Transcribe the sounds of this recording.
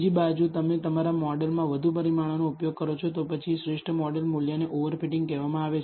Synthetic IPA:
d͡ʒibad͡ʒut̪əmet̪əmaɾamɔɖəlmãʋəd̪ʱupəɾimaɭ̃onoupjoɡ̚kəɾot͡ʃʰot̪opət͡ʃʰiʃɾeʂʈʰəmɔɖəlmuljaneʔoʋəɾfiʈɪ̃ŋɡkɛʋamãaʋet͡ʃʰ

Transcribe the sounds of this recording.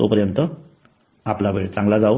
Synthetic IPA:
t̪o̰pəɾjənt̪ə | aplabʱeɽt͡sãŋɡlad͡zaw

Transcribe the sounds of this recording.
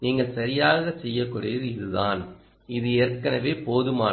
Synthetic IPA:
niːŋɡɐɭsɐɾɪjaːɣɐsɛjːɐkːuːɽɐɾɯɪðɯðaːn | ɪðɯeːɾkɐnɐʋeːpoːðɯmaː

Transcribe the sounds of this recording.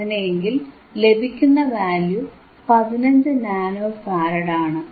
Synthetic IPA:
ineŋɡil | le̞bʱikʲːunːɐʋaːlju | pɐðinɐɲd͡ʑɨnaːnoːfaːɾɐɽaːɳɨ

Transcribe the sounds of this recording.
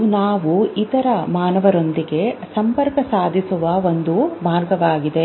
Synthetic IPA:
naːʋuit̪ɐɾɐmaːnɐʋɐɾo̞nd̪iɡe̞sɐmpɐɾkɐsaːd̪ʱisuʋɐo̞nd̪umaːɾɡɐʋaːɡid̪e̞

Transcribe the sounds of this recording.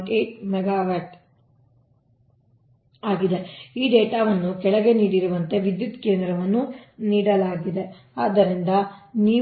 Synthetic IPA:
ʈeːʈmɛɡaːʋɐʈ | aːɡid̪e̞iːɖeːʈaːʋɐnːukɛɭɐɡe̞niːɽiɾuʋɐnt̪e̞ʋid̪jut̪ke̞ːnd̪ɾɐʋɐnːuniːɽɐlaːɡid̪e̞ | aːd̪ɐɾind̪ɐniː

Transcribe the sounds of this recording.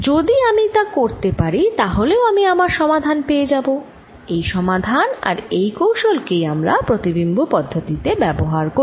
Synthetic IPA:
d͡ʑod̪iamit̪akoɾt̪epaɾit̪aɦoleoamiamaɾʃɔmad̪ʱanpeed͡ʑabo | ejʃɔmad̪ʱana̰ɾejkowʃolkejamɾa̰pɾot̪ibimbʱopɔd̪ʱːot̪it̪ebɛboɦaɾko

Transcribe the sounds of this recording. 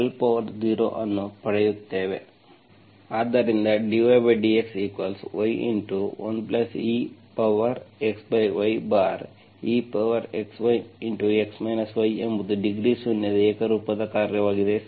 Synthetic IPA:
ɐlpɐʋɐɾd͡ʒiːɾo̰ːʔɐnːupɐɽɛjut̪ːeːʋe | aːd̪ɐɾind̪ɐɖiʋɐʋeɖieksiːkʋɐlsʋɐjʔḭɳʈuʋɐ̰nplɐsiːpɐʋɐɾeksbɐjʋɐjbaːɾ | iːpɐʋɐɾeksʋɐjiɳʈueksmɐjnɐsʋɐjembud̪uɖiɡɾiːsunːjɐd̪ɐeːkɐɾuːpɐd̪ɐkaːɾjɐʋaːɡid̪e

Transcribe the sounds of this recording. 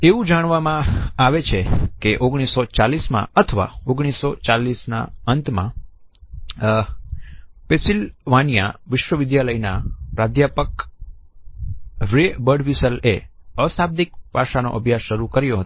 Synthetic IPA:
eʋũd͡ʒaɽ̃ʋamãaʋet͡ʃʰekeʔoɡɽ̃isːot͡ʃalismã̰ət̪ʰəʋa̰oɡɽ̃isːot͡ʃalisna̰ənt̪mã̰ | pesilʋanja̰ʋɪʃʋəʋɪd̪jaləjnapɾad̪ʱjapək | ʋɾebəɖʋisəleəsab̚d̪ikpaʃano̰ʔəbʱjasʃəɾukəɾjoɦət̪o

